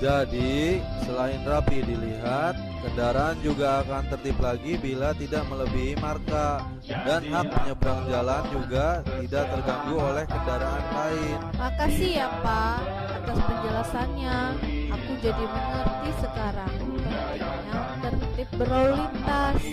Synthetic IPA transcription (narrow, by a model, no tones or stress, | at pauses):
d͡ʒadi | səlaɪnrapidiliɦat̪̚kəndaɾaːnd͡ʒuɡaːkant̪ərt̪ɪplaɡibilat̪idaʔmələbiɦimarka | danɦak̚pəɲəbɾaŋd͡ʒaland͡ʒuɡat̪idaʔ̚t̪ərɡaŋɡuolɛhkəndaɾaʔanlaɪnmakasiɦapaː | t̪aspəd͡ʒəlasanɲaakud͡ʒadiməŋərt̪isəkaɾaŋ | jaŋt̪ərt̪ɪp̚bəɾalint̪as